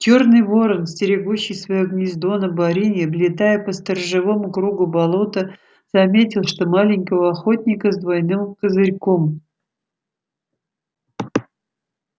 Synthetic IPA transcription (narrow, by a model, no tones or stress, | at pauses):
t͡ɕo̞rnɨjvo̞ɾənsʲtʲɪɾʲɪɡuɕːɪjsvɐjoɡnʲɪzd̪o̞nəbɐɾʲinʲɪblʲɪt̪ajəpəst̪ərʐɨvo̞mʊkɾuɡʊbɐlˠo̞t̪ə | z̥ɐmʲetʲɪlˠʂt̪o̞malʲɪnʲkəvəɐxo̞tʲnʲɪkəzd̪vɐjnɨmkəzɨɾʲko̞m